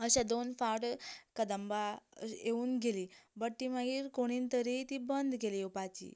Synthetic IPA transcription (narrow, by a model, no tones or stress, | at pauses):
əɕad̪onfaɾʈkəd̪əmbaeuːnɡeliːbəʈːimaɡiːɾkoɽ̃iːnt̪əɾit̪ibənd̪keliupat͡ɕḭː